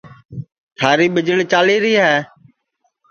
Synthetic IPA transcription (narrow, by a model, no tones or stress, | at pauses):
t̪ʰaːɾiːɓɪd͡ʒəɭt͡ʃaːliːɾiːɦɛː